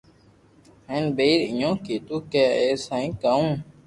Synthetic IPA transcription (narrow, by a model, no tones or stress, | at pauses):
hẽːnbeːɾɪjõːkiːt̪uːkeːeːsãːĩːkaːũː